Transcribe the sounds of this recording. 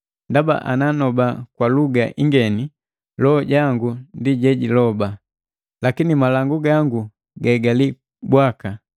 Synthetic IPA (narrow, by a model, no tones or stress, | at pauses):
ndaba̰ʔa̰nanɔbakwaluɡa̰ʔiŋɡɛni | lɔɟaŋɡundiɟɛɟilɔba | lakinimalaŋɡuɡaŋɡu | ɡaɡali | bwaka